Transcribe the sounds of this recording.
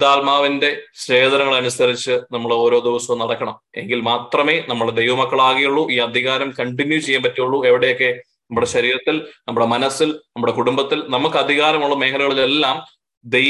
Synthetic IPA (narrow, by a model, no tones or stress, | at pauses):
d̪aːlmaːʋinde̞ɕeːd̪ɐnɐŋːɐɭɐnusɐɾit͡ɕːɨnɐmːɐɭo̞ːɾo̞ːd̪iʋɐsɐmnɐɽɐkːɐɳɐme̞̰ŋɡilmaːt̪rɐme̞ːnɐmːɐɭd̪e̞jʋɐmɐkːɐɭaːɣijuɭːuʔiːɐd̪ʱiɣaːɾɐmkɐɳɖinjut͡ɕe̞jːaːmpɐtːijuɭːue̞ʋiɽe̞jo̞kːe̞ | nɐmːuɽe̞ɕɐɾiːɾɐt̪ːilnɐmːuɽe̞mɐnɐsilnɐmːuɽe̞kuɽumbɐt̪ːilnɐmukːɨɐd̪ʱiɣaːɾɐmuɭːɐme̞ːɦɐlɣɐɭile̞lːaːm | d̪e